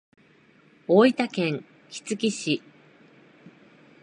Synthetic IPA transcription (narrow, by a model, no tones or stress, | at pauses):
oːit̪akẽ̞ŋ | kʲi̥t͡sɨkʲiɕi